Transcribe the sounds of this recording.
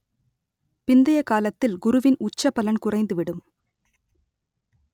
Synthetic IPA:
pɪnd̪ɐjɐkaːlɐt̪ːɪlɡʊɾʊʋɪnʊt͡ʃːɐpːɐlɐɳkʊrɐɪnd̪ɯʋɪɽɯm

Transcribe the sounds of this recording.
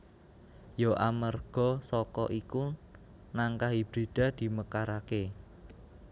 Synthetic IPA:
joʔamərɡ̥ɔ̤sɔkɔ̰ʔiku | naŋkaɦib̥ɾid̪̥ä̤d̪̥i̤məkaɾake

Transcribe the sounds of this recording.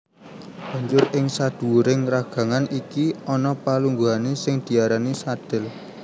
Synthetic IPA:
b̥a̤ɲd͡ʒʊrɪŋsad̪̥ṳuɾɪŋraɡ̥ä̤ŋanikiɔnɔpaluŋɡuɦanesɪŋd̪̥i̤aɾanisad̪̥ɪ̤l

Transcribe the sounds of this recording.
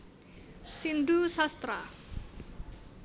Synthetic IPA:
sindusast̪ɾa

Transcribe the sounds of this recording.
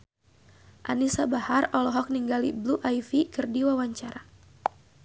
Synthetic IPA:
ʔa̰nisabaharɔlɔɦɔk̚niŋɡalḭbluʔaifikɨrdiwawaɲt͡ʃaɾa

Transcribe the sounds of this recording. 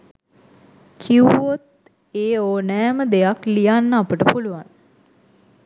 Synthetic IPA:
kʰiuot̪ | eːoːnɛːməd̪ejaklijanːəapəʈəpuluʋan

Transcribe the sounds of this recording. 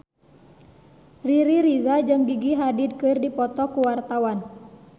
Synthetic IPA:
riɾiɾizad͡ʒɨŋɡiɡiɦadid̪̚kɨrdipɔt̪ɔkuwart̪awan

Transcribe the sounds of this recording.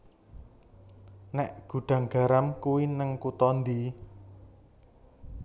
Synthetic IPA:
nɛʔɡ̥ṳɖ̪̥ä̤ŋɡ̥a̤ɾamkuwinəŋkut̪ɔnd̪i

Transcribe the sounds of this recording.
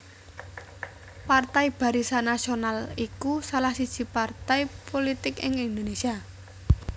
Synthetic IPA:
part̪aib̥a̤ɾisanasionalikusalahsid̥ʒ̥i̤part̪ajpolit̪ɪkɪ̰ŋɪnd̪onesia

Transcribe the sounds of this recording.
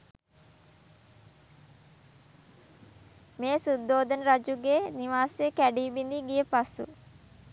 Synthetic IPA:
meːsud̪ːoːd̪ənəɾad͡ʒuɡeniʋaːsekæɖiːbind̪iɡijəpasṵ

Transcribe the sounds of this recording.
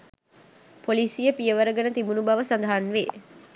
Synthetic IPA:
polisijəpijəʋɐɾəɡɐnət̪ibunubɐʋəsand̪ɐɦɐnʋeː

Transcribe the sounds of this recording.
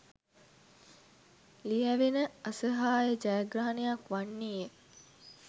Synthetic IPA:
lijæʋenəɐsəɦaːjəd͡ʒajaɡraːanejakʋanːiːje

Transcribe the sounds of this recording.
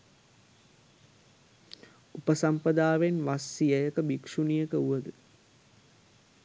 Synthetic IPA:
upəsampəd̪aːʋenʋasːijəjəkəbikʂunijəkəuʋəd̪ə

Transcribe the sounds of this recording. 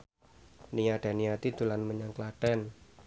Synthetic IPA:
nijaɖ̥a̤nijat̪id̪ulanməɲaŋklaɖ̥ɛn

